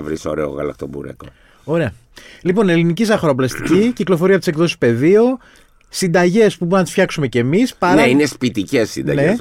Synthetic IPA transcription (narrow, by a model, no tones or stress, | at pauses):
vɾiso̰ɾeo̰ɣɐ̰lɐ̰k̚t̪ombṵɾḛko̰ | o̞ɾe̞ɐ | lipo̞ne̞linicisɐxɾoplɐst̪iciciklofo̞ɾiɐot̪isekðo̞si̥spe̞ðio | sind̪ɐʝe̞spuboɾunɐt̪isfçɐksume̞cemispɐɾɐeinespit̪icesːḭnd̪ɐ̰nees